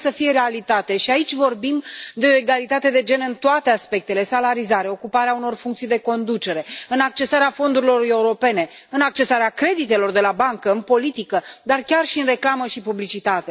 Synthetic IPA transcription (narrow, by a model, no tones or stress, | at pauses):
səfije̞ɾe̞alit̪at̪e̞ʃiait͡ʃʲvo̞rbimd̪e̞oe̞ɡalit̪at̪e̞d̪e̞d͡ʒe̞nɨnt̪oat̪e̞aspe̞k̚t̪e̞le̞salaɾizaɾe̞o̞kupaɾeauno̞rfuŋkt̪sijd̪e̞ko̞nd̪ut͡ʃe̞ɾe̞ɨnak̚t͡ʃe̞saɾeafo̞nd̪uɾilo̞ɾe̞uɾo̞pe̞ne̞ɨnak̚t͡ʃe̞saɾeakɾe̞d̪it̪e̞lo̞rd̪e̞labaŋkəɨnpo̞lit̪ikəd̪arkʲarʃiɨnre̞klaməʃipublit͡ʃit̪at̪e̞